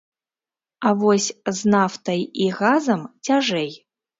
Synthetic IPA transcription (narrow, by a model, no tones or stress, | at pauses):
avɔsʲznaft̪ɐjiɣazɐmt͡sʲaʐɛj